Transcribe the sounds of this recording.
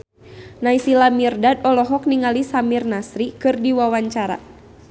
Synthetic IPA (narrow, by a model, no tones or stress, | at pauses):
naisilamirdadɔlɔɦɔk̚niŋalisamirnasɾikɨrdiwawaɲt͡ʃaɾa̰